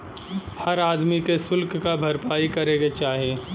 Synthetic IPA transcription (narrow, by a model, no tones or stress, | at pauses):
hɐɾaːd̪mikesʊlkkabʱɐɾpaːikɐɾeːɡet͡ʃaːɦie